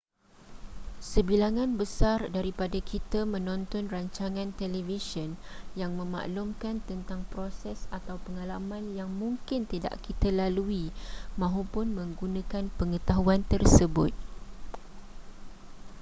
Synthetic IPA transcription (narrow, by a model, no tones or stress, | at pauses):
səbilaŋãnbəsardaɾipadakʰit̪amə̃nɔ̃nt̪ɔnraɲt͡ʃaŋãnt̪ɛlevisɔnjaŋmə̃ma̰ʔlʊmkant̪ənt̪aŋpɾosɛsat̪awpəŋalamãnjaŋmũŋkɪnt̪ida̰ʔkit̪alaluimãɦopʊnmə̃ŋɡunãkanpəŋət̪aɦuant̪ərsəbʊ̰t̪̚